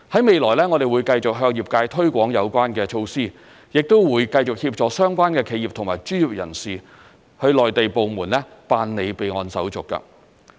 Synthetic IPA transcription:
hɐ˨˥jme˨jlɔː˨˩jlɛː˥ŋɔː˨˧d̪e˨jwuː˨˧jkɐ˧jt͡sʊ˨k̚ɦœː˧ŋjiː˨˩p̚kaː˧jt̪ʰɵ˥ɥkʷɔː˨˥ŋjɐ˨˧wkʷaː˥nkɛː˧t͡ʃʰo˧wsiː˥ | jɪ˨k̚t̪o˥wwuː˨˧jkɐ˧jt͡sʊ˨k̚hiː˧p̚t͡ʃɔː˨˧sœː˥ŋkʷaː˥nkɛː˧kʰe˨˧jiː˨p̚t̪ʰʊ˨˩ŋmaː˨˩jt͡ʃyː˥jiː˨˩p̚jɐ̰˨˩nsiː˨ | hɵ˧lɔː˨jt̪e˨jpo˨wmuː˨˩nlɛː˥paː˧nne˨˧jpe˨˧jŋɔː˧nsɐ˨˥wt͡sʊ˨˩kːɐ̰˧

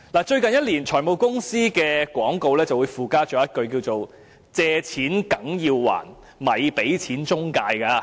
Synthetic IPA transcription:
laː˨t͡ʃɵ˧ɥkɐ˨njɐ˥t̚liː˨˩nt͡ʃʰɔː˨˩jmo˨˧wkʊ˥ŋsiː˥kɛː˧kwɔː˨˥ŋko˧wlɛː˥t͡sɐ˨˩wu˨˧jfuː˨kaː˥t͡ʃɔː˨˥jɐ˥t̚kɵ˧ɥkiː˧wt͡so˨w | t͡sɛː˧t͡sʰiː˨˥nkɐ˨˥ŋjiː˧wwa̰ː˨˩n | mɐ˨jpe˨˥jt͡sʰiː˨˥nt͡ʃʊ˥ŋkaː˧jka˧

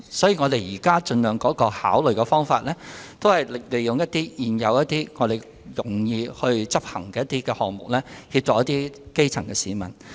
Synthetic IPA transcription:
sɔː˨˥jiː˨ŋɔː˨˧d̪e˨˧jjiː˨˩kaː˥t͡ʃɵ˧nlœː˨ŋkɔː˨˥kɔː˧ha̰ː˨˥wlɵ˨ɥkɛ˧fɔː˥ŋfaː˧t̚lɛː˥t̪o˥whɐ˨jle˨˩jjʊ˨ŋjɐ˥t̚t̪iː˥jiː˨˩njɐ˨˧wjɐ˥t̚t̪iː˥ŋɔː˨˧d̪e˨j | jʊ˨˩ŋjiː˧hɵ˧ɥt͡sɐ˥p̚hɐ˨˩ŋkɛː˧jt̪iː˥kɛː˧hɔː˨k̚mʊ˨k̚lɛː˥hi˧p̚t͡ʃɔː˨k̚jɐ˥t̪iː˥ke˥jt͡sʰɐ˨˩ŋkɛː˧siː˨mɐ̰˨˩n

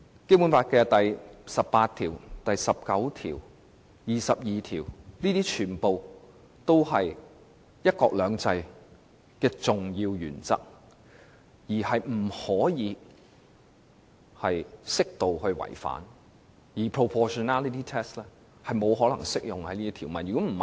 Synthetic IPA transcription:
ke˥mu˨˥nfaː˧t̚kɛː˧t̪ɐ˨jsɐ˨pːaː˧t̪ʰiː˨˩wt̪ɐ˨jsɐ˨p̚kɐ˨˥wt̪ʰiː˨˩w | jiː˨sɐ˨p̚jiː˨t̪ʰiː˨˩wniː˥t̪iː˥t͡ʃʰyː˨˩npo˨w | t̪o˥whɐ˨j | jɐ˥t̚kɔː˧k̚lœː˨˧ŋt͡sɐ˧j | kɛː˧t͡sʊ˨ŋjiː˧wjy̰ː˨˩nt͡sɐ̰˥k̚ | jiː˨˩hɐ˨jm̩˨˩hɔː˨˥jiː˨˧ | hɐ˨jsɪ˥k̚t̪o˨whɵ˧ɥwɐ̰˨˩jfa̰ː˨˥n | jiː˨˩pʰɹo˨˧pʰɔː˨˧ʃɔ˨˧naː˥li˨˧t̪ʰiː˥t̪ʰɛː˥slɛ˥ | hɐ˨jmo˨˧wɦɔː˨˥lɐ˨˩ŋsɪ˥k̚jʊ˨ŋhɐ˨˦jniː˥t̪iː˥t̪ʰiː˨˩wmɐ˨njy˨kɔː˨˥m̩˨˩

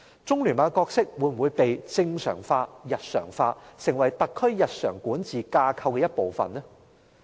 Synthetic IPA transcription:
t͡sʊ˥ŋlyː˨˩nmaː˨˧kɔː˧k̚sɪ˥k̚wuː˨˥jm̩˨˩wu˨˧jpe˨jt͡sɪ˧ŋsœ̰ː˨˩ŋfaː˧jɐ˨t̚sœ̰ː˨˩ŋfaː˧sɪ˨˩ŋwɐ˨˩jt̪ɐ˨kʰːɵ˥ɥjɐ˨t̚sœ̰ː˨˩ŋkuː˨˥nt͡siː˨kaː˧kʰɐ˧wkɛː˧jɐ˥t̚po˨wfɐ̰˨nɛ˥

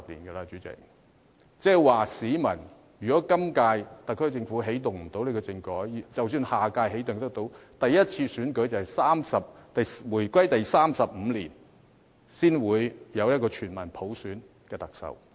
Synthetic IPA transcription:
k̚lḭː˨˩nɡɛ˧la˧t͡ʃyː˨˥t͡sɪ̰˨˩k̚ | t͡sɛː˧˩waː˨˩siː˨˥mɐ˨˩n | jyː˨kɔː˨˥kɐ˥mkaː˧jt̪ɐ˨kʰːɵ˥t͡sɪ˧ŋfuː˨˥ɦe˨˥jt̪ʊ˨˩ŋm̩˨˩t̪o˨˥wle˨˧kɔ˧t͡sɪ˧ŋkɔː˨˥jt͡sɐ˨wsyː˧nhaː˨˩kaː˧jɦe˨˥jt̪ʊ˨ŋt̪ɐ˥k̚t̪o˨˥wt̪ɐ˨jjɐ˥t̚t͡sʰiː˧syː˨˥nkɵ˨˥ɥjt͡sɐ˨whjsaː˥msɐ˨p̚t̪ɐ˨jwuː˨˩jkwɐ˥jt̪ɐ˨jsaː˥msɐ˨p̚m̩ː˨˧liː˨˩n | siː˥nwuː˨˧jjɐ˨˧wjɐ˥t̚kɔː˧t͡ʃʰyː˨˩nmɐ˨˩npʰo˨˥wsyː˨˥n | kɛː˧t̪ɐ˨k̚sɐ̰˨w

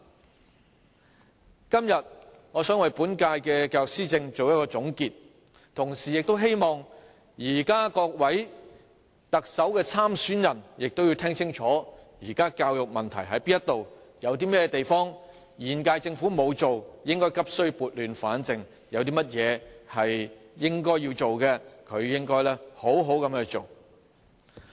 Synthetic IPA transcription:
kɐ˥mjɐ˨t̚ | ŋɔː˨˧sœː˨˥ŋwɐ˨jpuː˨˥nkaː˧jkɛː˧kaː˧wjʊ˨k̚siː˥t͡sɪ˧ŋt͡so˨wjɐ˥tkɔː˧t͡sʊ˨˥ŋkiː˧t̚ | t̪ʰʊ˨˩ŋsiː˨˩jɪ˨k̚t̪o˥wɦe˥jmɔː˨˩ŋ | jiː˨˩kaː˥kɔː˧k̚wɐ˨˥j | t̪ɐ˨k̚sɐ˨˥wkɛː˧t͡sʰaː˥msyː˨˥njɐ˨˩njɪ˨k̚t̪o˥wjiː˨˧t̪ʰɪ˥ŋt͡sʰɪ˥ŋt͡ʃʰɔː˨˥jiː˨˩kaː˥kaː˧wjʊ˨k̚mɐ˨nt̪ʰɐ̰˨˩jɦɐ˨˥jpiː˥njɐ˥t̪ːo˨wjɐ˨˧wt̪̬iː˥mɛː˥jɛ˧t̪e˨jfɔː˥ŋ | jiː˨nkaː˧jt͡sɪ˧ŋfuː˨˥mo˨˧wt͡so˨wjɪ˥ŋkɔː˥jkɐ˥p̚sɵ˥ɥpuː˨t̚lyː˨nfaː˨˥nt͡sɪ˨ŋ | jɐ˨˧wt̪̬iː˥mɐ˥t̚jɛː˨˧hɐ˨jjɪ˥ŋkɔː˥jːiː˧wt͡so˨wkɛ˧kʰɵ˨˧ɥjɪ˥ŋkɔː˥jlɛː˥ho˨˥wɦo˨˥wkɐ˨˧mɛ˧t͡so˨˩w

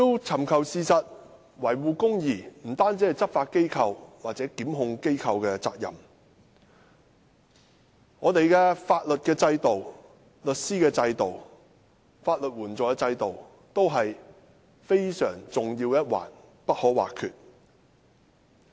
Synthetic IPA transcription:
t̪i˥˧wt͡sʰɐ˨˩mkʰɐ˨wsiː˨sɐ˨t̚ | wɐ˨˩jwuː˨˧kʊ˥ŋjiː˨˩m̩˨˩t̪aː˥nt͡siː˨˥˨jt͡sɐ˥p̚faː˧t̚ke˥jkʰɐ˧wwaː˨t̚t͡sɛː˨˥kiː˨˥mɦʊ˧ŋke˥jkʰɐ˧wkɛː˧t͡sa̰ː˧k̚jɐ̰˨˩m | ŋɔː˨˧t̪e˨jkɛː˧faː˧t̚lɵ˨t̚kɛː˧t͡sɐ˧jt̪o˨w | lɵ˨t̚siː˥kɛː˧t͡sɐ˧jt̪o˨˩w | faː˧t̚lɵ˨t̚wuː˨˩nt͡sɔː˨˩jɛ˧t͡sɐ˧jt̪o˨w | t̪o˥wɦɐ˨j | fe˥jsœː˨˩ŋt͡sʊ˨ŋjiː˧wjɐ˥t̚wa̰ː˨˩n | pɐ˥t̚hɔː˨˥wa̰ː˨˩kʰy̰ː˨t̚

